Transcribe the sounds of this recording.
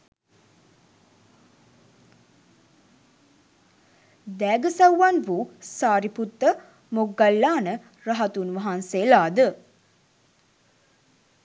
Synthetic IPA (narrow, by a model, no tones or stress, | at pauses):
d̪æːɡəsawʋanʋusaːɾiput̪ːə | moɡːalːaːnə | raɦat̪unʋɐɦanselaːd̪ə